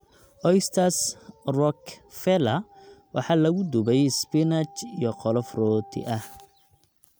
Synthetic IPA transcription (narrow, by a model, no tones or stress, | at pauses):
ʔɔjst̪ʰɐsrɔkfɛlɐwʔɑ̰ħɑːlɐɣʊd̪ʊbɛjspɪnɐt͡ʃijɔqɔlɔfrɔːt̪ʰɪ̰ʔɐh